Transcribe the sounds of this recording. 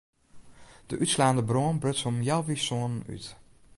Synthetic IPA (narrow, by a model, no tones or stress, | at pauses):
d̥əʔytslaːndəbrɔnbrøtsɔmjɛlvisɔny̰t